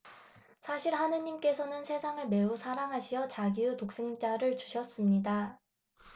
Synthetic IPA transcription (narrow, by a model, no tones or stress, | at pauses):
sʰaɕʰiɭɦanɯɲimk͈e̞sʰʌnɯnsʰe̞sʰaŋɯɭme̞usʰaɾaŋɦaɕʰijʌt͡ɕaɡiutok̚s͈eŋd͡ʑaɾɯɭt͡ɕuɕʰʌs͈ɯmɲida